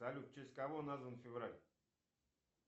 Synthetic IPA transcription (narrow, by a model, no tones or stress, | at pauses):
alʲut̪̚t͡ʃʰesʲkavonazənfʲɪvɾalʲ